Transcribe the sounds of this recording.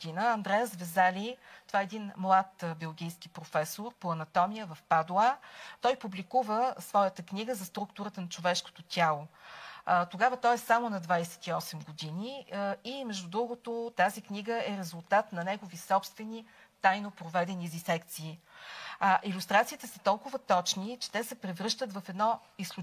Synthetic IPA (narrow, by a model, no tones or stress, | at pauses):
od̪inəɐnd̪ɾɛjəzvɛzalit̪ovaɛɛd̪inmlˠat̪bɛlˠɡʲijsk̟ipɾofɛsoɾpoɐnɐt̪ɔmijəvəfpad̪lˠat̪ɔjpublʲikuvəsvɔjət̪əkniɡəzɐst̪ɾukt̪ʊɾət̪ənɐt͡ʃovɛʃko̥t̪ot̪ʲalˠo | t̪oɡavət̪ɔjɛsamonɐd̪vajsɛ̥t̪iɔsɛmɡod̪iniimɛʒd̪ud̪ɾuɡot̪ot̪azikniɡəɛɾɛzʊlˠt̪at̪nɐnɛɡovisɔpst̪vɛnit̪ajnopɾovɛd̪ɛnizisɛkt̪siː | ʔilʲust̪ɾat̪siːt̪ɛsə̥t̪ɔlˠkʊvət̪ɔt͡ʃnit͡ʃɛ̥t̪ɛsɛpɾɛvɾɤʃt̪ət̪vɐfɛd̪nɔislˠu